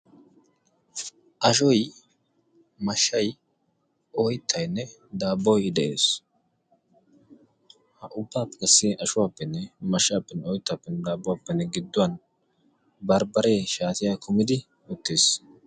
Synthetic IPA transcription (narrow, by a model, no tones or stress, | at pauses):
ʔɐʃɔj | mɐʃːɐj | ɔjt̪ʰːɐjnːɛ | d̪aːbɔjd̪ɛʔe̞ːs | hɐʔʊbːaːpːɛ̥kɐsːeʔɐʃʊwaːpːɛnːɛmɐʃːaːpːɛnːɛɔjt̪ːapːɛnːɛd̪aːbʊwaːpːɛnːɛɡɪd̪ːʊwɐn | bɐɾbɐɾeːʃaːt̪ɪjaːkʰʊmɪd̪ɪ | ʊt̪ːeːs